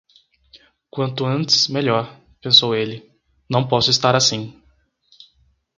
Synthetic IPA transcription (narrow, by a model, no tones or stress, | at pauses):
kwɐ̃nt̪ʊɐ̃nt̪ɪ̥smeʎɔɾ | pẽsowelɪ | nɐ̃w̃pɔsʊɪst̪aɾasĩ